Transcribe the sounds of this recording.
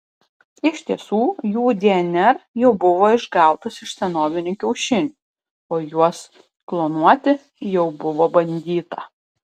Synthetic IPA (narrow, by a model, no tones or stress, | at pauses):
ɪʃʲt̪ʲiɛsuːjuːd̪ʲeɛnʲɛɾjɛʊbʊʋoːɪʒɡɑˑʊt̪ɐsɪʃsʲɛnoːʋʲɪnʲukʲɛʊʃʲɪnʲu | oːjuɔs | klˠoːnuɔt̪ʲɪ | jɛʊbʊʋoːbɐnʲd̪ʲiːt̪ɐ